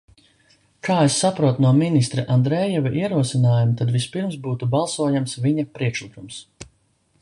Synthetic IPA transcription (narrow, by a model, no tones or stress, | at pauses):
kʰaːesːapɾuɔt̪nuɔminist̪ɾiʔand̪ɾɛːjɛvaʔiɛɾuɔsinaːjumut̪ad̪vispiɾms̬buːt̪ubalˠsuɔjamsvʲiɲapɾiɛkʃlikums